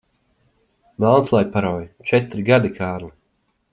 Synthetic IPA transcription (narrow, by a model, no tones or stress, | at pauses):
nalˠnslˠajpaɾɔːjt͡ʃɛt̪ɾiɡad̪ikʰaːɾlˠi